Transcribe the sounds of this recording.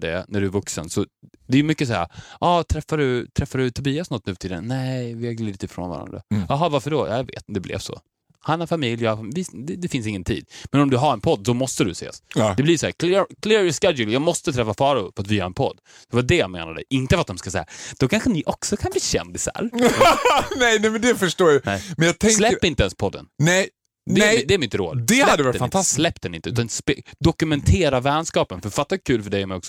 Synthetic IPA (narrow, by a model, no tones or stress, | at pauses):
dɛ̰næɖɵævɵksə̰nsɔd̪ɛæjʏmʏkːəs̬aæ̰ːɾʔɑːt̪ʰɾɛfːaɾɵt̪ʰɾɛfːad̪ʉt̪ʰʊbiːasnɔt̪ːnʉ̟ːt̪ʰɪlɛ̰nːɛɪvɪhaɡliːd̪ɪt̪ɪfɾo̰ːnva̰ɾa̰nd̪ɾa̰ɑɦɑvaɾfœɖojʔɑ̰ːjavḛːt̪d̪ɛblɛ̰v̥sɔ̰ | hanhaɾfamɪljvɪd̪ɛd̪ɛfɪnsɪŋːənt̪ʰḭːd̪mɛnɔmd̪ɵɦaɾɛnpʰɔd̪ːdɔmɔst̪əd̪ɵsḛːsd̪ɛblɪsɔhæːɾkʰlɛkʰlɛɾɪskɛd̪jʊljɑːɡmɔst̪ət̪ʰɾɛfːafɑːɾʊfœɾat̪vɪhaɾɛnpʰɔd̪ː | d̪̥ɛvaɖɛjamḛːna̰d̪ɛ̰ʔɪnt̪əfat̪̚d̪ɔmskasɛjːad̪̥ɔkʰanɧənɪʔɔksɔkʰanbliːɕɛ̰nd̪ɪsa̰ɾ | nɛjnɛmɛnd̪ɛfœʂʈoːjanɛjmɛnjɑɡ̚t̪ʰɛslɛːɪnt̪əɛnspʰɔd̪ːə̰nnɛj | d̪ɛɛd̪ɛæɾmɪt̪ɾo̰ːd̪d̪ɛhlad̪ːvɑɾdɛnfaɪnt̪ʰasslɛpːd̪ɛnɪnt̪əʉːt̪anspːd̪ɔkɵmɛnt̪ʰeːɾavɛnskɑːpənfœɾfat̪ːakʰʉ̟ːlfœɖɛjɔmɛjɔksɔ